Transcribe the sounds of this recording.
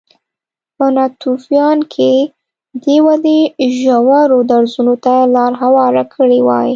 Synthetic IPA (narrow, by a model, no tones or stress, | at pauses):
pənɑt̪ufjɑnkʰe | d̪ewad̪eʒawɑɾod̪aɾzunot̪alɑɾɦawɑɾakʰəɽewɑ̰j